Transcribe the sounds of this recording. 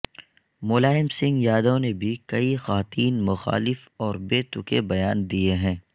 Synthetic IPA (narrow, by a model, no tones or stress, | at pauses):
mʊːlaːɪmsɪ̃ŋɡjaːd̪õnebʱikɐixaːt̪iːnmʊxa̰ːlɪfɔːɾbeːt̪ʊkebɐjaːnd̪ieɦɛ̃ː